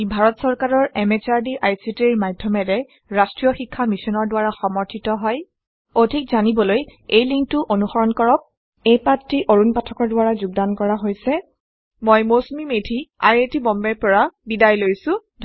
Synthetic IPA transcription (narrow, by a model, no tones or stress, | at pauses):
bʱaɹɔtsɔɹkaɹɔɹɛmɛt͡ʃaɹdiʔajsitiɹmadʱjɔmɛdɛ | ɹastɹijɔxikʰːamisɔnɔɹdʊwaɹaxɔmɔɹtʰitɔɦɔj | odʱikzanibɔlojejliŋk̚tʊʔonuxɔɹɔnkɔɹɔk̚ | ejpatɹiʔoɹunpatʰɔkɔɹdʊwaɹazuɡ̚dankɔɹaɦojsɛ | mojmosmimetʰia̰jetibɔmbɛpɔɹabidajlojsʊ̃dʱ